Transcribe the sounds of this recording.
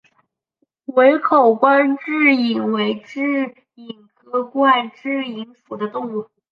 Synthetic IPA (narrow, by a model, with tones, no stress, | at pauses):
we˧˥ɪkʰo˨˩ʊkwa˥nʈ͡ʂɻ̩˥˩i˨˩ŋwe˧˥ɪʈ͡ʂɻ̩˥˩ | i˨˩ŋkɤ˥kwa˥˧nʈ͡ʂɻ̩˥˩i˧˥ŋfu˨˩d̪ə˦t̪ʊ˥˧ŋu˥˩